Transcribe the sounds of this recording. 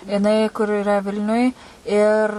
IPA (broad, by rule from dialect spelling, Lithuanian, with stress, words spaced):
jɪˈnɐɪ kʊr ɪˈrɐ ˈʋʲɪlʲnʲʊj ɪr